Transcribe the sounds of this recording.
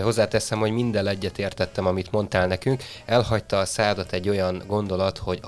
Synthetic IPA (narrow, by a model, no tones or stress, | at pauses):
ho̞zːaːt̪ɛsɛmho̞ɟmind̪ɛlɛɟːɛt̪eːrt̪ɛt̪ːɛmɒmit̪mo̞nt̪aːlnɛkyŋkɛlhɒct̪ɒːsaːd̪ɒt̪ɛɟːo̞jɒnɡo̞nd̪o̞lɒt̪ho̞ɟ